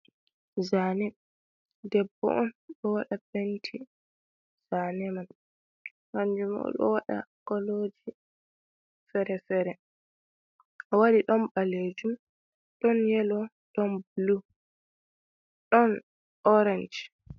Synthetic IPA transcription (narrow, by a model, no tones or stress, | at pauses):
zanɛ | dɛbːɔ̰ʔɔnɗɔwaɗabentʰi | z̥anɛman | maɲd͡ʒuma̰ɗɔ̰waɗa̰kɔlod͡ʒi | fɛɾɛfɛɾɛ | ʔɔwaɗiɗɔnbaled͡ʒum | ɗɔnjɛlɔ | ɗɔnblu | ɗɔn | ɔɾand͡ʒ